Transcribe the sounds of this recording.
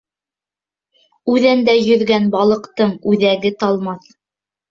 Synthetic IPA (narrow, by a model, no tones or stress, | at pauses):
ʉðænd̪æjɵ̆ɾɡænbɑlˠɤ̆qt̪ɤɴʉðæɡɘt̪ɑlˠmɑθ